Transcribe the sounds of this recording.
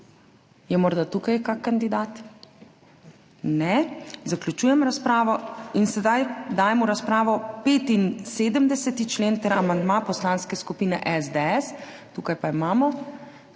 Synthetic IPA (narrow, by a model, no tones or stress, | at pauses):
jɛmɔɾd̪at̪ukajkakkːand̪id̪aːt̪ | nɛzaklʲut͡ʃuːjɛmɾaspɾaːʋɔinsɛd̪ajd̪aːjɛmuɾaspɾaːʋɔpeːt̪inseːd̪əmd̪ɛsɛt̪it͡ʃleːnt̪ɛɾamand̪mapɔslaːnskɛskupiːnɛʔɛzd̪eɛs | t̪uːkajpaimaːmɔ